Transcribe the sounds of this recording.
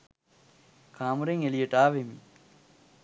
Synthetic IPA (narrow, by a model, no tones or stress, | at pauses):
kʰaːmuɾeŋelijeʈaːʋemi